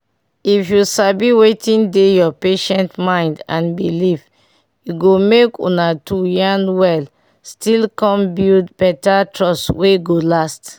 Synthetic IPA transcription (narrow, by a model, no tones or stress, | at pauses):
ifjusabiwetĩndejɔpeʃɛ̃ntmãɪ̃ndã̰nbilif | juɡomekṵ̃natujãnwɛl | stilkɔ̃mbildbɛtatɹɔsweɡolast